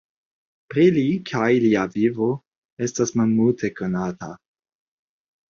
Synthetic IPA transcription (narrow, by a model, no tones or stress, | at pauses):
pɾilikʰajliavivo̞ | e̞stasmalmultʰe̞ko̞nata